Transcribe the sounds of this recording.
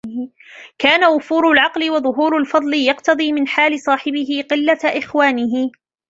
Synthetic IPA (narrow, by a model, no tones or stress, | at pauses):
kaːnawʊfuːɾʊlʕɑqlɪwɑðˤʊɦuːɾalfɑd̪ˤlɪjɑqt̪ɑðˤiːmɪnħaːlɪsˤɑːħɪbɪɦɪqɪlːaʔɪxwaːnɪɦɪ